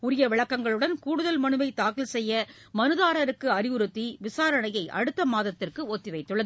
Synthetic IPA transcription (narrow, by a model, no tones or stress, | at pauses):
ʊɾɪjɐʋɪɭɐkːɐŋɡɐɭɯɽɐnkuːɽɯðɐlmɐnɯʋɐɪt̪aːkɪlsɛjːɐ | mɐnɯðaːɾɐɾɯkːɯɐɾɪʋɯɾɯt̪ːiʋɪsaːɾɐɳɐjɐɪʔɐ̰ɽɯt̪ːɐmaːðɐt̪ːɪrkɯot̪ːɪʋɐɪt̪ːɯɭːɐð